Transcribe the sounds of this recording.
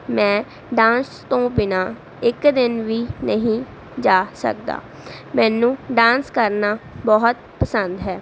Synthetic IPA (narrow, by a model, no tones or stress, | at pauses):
mɛ̃ː | ɖãːnst̪õːbɪnaː | ɪkd̪ɪnʋiːnəɦĩː | d͡ʒaːsə̰k̚d̪a̰ː | mɛ̃ːnũːɖãːnskəɾnaːbɔɦʊt̪̚pəsənd̪ɦɛː